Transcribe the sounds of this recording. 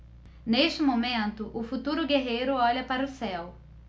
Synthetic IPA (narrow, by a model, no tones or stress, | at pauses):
neʃt͡ʃɪmomẽnt̪ʊʔʊfut̪uɾʊɡeɦejɾʊɔʎɐpaɾɐʊsɛw